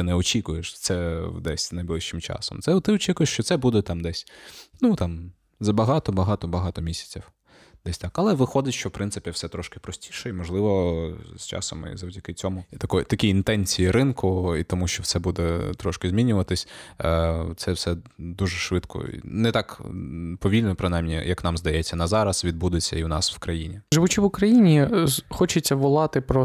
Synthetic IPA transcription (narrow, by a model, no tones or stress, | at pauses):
ɪnɛɔt͡ʃʲikʊjeʃt̪sɛd̪ɛsʲnɐjblˠɪʃt͡ʃɪmt͡ʃɑ̰sɔ̰mt̪sɛt̪ɪɔt͡ʃʲikʊjeʃt͡ʃɔt̪sɛbud̪ɛt̪ɑmd̪ɛsʲnut̪ɑm | zɐbɐɦɑt̪ɔbɐɦɑt̪ɔbɐɦɑt̪ɔmʲisʲɐ̥t͡sʲiw | d̪̥ɛsʲt̪ɑkɐlˠɛʋɪxɔd̪ɪtʲʃt͡ʃɔwpɾɪnsɪpʲiwsɛt̪ɾɔʃkɪ̥pɾɔsʲtʲiʃɛimɔʒlˠɪʋɔst͡ʃɑ̰sɔ̰mḭzɐwdʲɐkɪt͡sʲɔmʊt̪ɐkɔjt̪ɐkʲiːnt̪ɛnʲt͡sʲijiɾɪnkʊit̪ɔmuʃt͡ʃɔwsɛbud̪ɛt̪ɾɔʃkɪzʲmʲinʲʊʋɐt̪ɪsʲ | t̪sɛwsɛd̪uʒɛʃʋɪt̪kʰɔ̰ḭnɛt̪ɑkpɔʋʲilʲnɔpɾɪnɑjmnʲijɐknɑmzd̪ɐjɛt͡sʲːɐnɐzɑɾɐsʋʲid̪̚bud̪ɪt͡sʲːɐ̰iwnɑsw̥kɾɐjinʲiʒɪʋʊt͡ʃiʋʊkɾɐjinʲixɔt͡ʃɪt͡sʲːɐʋɔlˠɑt̪ɪpɾɔ